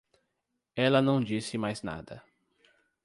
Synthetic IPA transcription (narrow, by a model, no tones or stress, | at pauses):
ɛlɐnɐ̃w̃d͡ʒisɪmajzna̰d̪ɐ